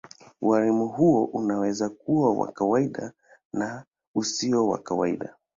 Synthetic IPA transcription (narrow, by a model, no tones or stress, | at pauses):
waɾimuɦuɔʔunawɛzak̚uwawa̰kawaiɗa | na | usiɔwa̰kawaḭɗa̰